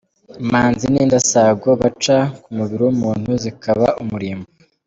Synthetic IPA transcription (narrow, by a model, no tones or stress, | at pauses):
maːnziniːndasaɡoβat͡ʃakumuβiɾiwumuːn̥huzikaβa̰umuɾiːmbu